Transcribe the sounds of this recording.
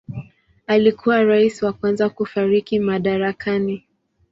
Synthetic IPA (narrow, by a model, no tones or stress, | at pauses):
alikʰuwaɾaisiwakwanzakufaɾikimaɗaɾakani